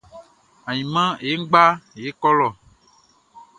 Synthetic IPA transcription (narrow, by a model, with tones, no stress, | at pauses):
a˨ɲĩ˨mã˦je˦ŋ̩˦ɡ͡ba˦˨je˦kɔ˦lɔ˨